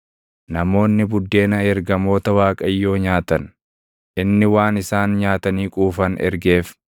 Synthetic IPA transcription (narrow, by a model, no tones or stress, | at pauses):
nɐmo̞ːnːɪbʊd̪ːe̞ːnɐɛɾɡɐmo̞ːt̪ɐwaːkʼɐjːo̞ːɲaːt̪ɐn | ʔɪnːɪwaːnɪsaːnɲaːt̪ɐniːkʼuːfɐnɛ̰ɾɡeːf